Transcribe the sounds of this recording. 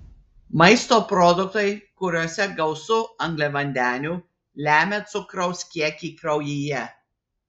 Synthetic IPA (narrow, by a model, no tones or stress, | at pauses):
mɐɪst̪oːpɾɔd̪ʊk̚t̪ɐɪkʊɾʲuɔsʲɛɡɐʊsʊɐŋɡlʲɛʋɐnʲd̪ʲæːnʲuː | lʲæːmʲet̪sʊkɾɐʊsʲkʲiɛkʲiːkɾɐʊjiːjɛ